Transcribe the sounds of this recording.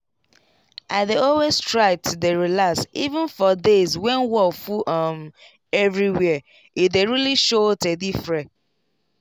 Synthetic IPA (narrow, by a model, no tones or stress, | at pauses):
aɪdeɔlwestɹaɪtdeɹilaksivə̃nfɔdezwɛ̃nwɔfuʔʌm | ɛvɹiwɛ | ideɹiliʃotedifɹɛ̃